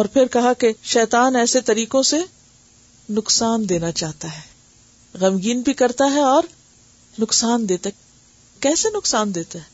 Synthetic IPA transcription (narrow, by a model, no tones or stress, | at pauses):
ɔːɾpʰɪɾkɐɦakeʃɛːt̪aːnɛːset̪ɐɾiːkõse | nʊksaːnd̪eːnat͡ʃaːɦt̪aɦɛː | ɣɐmɡiːnbʱikɐɾt̪aɦɛɔːɾ | nʊksaːnd̪eːt̪a | kɛːsenʊksaːnd̪eːt̪aɦɛː